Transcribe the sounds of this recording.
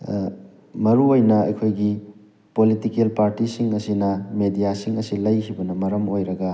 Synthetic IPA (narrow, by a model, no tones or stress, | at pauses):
mɐɾuojnɐɐ̰jkʰojɡi | politikelpaɾtisiŋɐsinɐmedijasiŋɐsilɐjhibɐnɐmɐɾɐmojɾɐɡɐ